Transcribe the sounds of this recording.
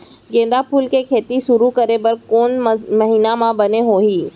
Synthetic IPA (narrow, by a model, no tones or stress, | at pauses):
ɡẽːn̆d̪apʰuːlkekʰeːt̪iʃʊɾukəɾebəɾkoːnmɐɦiːnamãbɐneɦoːɦiː